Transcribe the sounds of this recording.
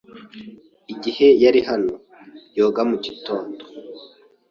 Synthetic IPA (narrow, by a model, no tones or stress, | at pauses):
iɟihe̞jaɾiɦano̞ | jo̞ːɡamuɟito̞ːndo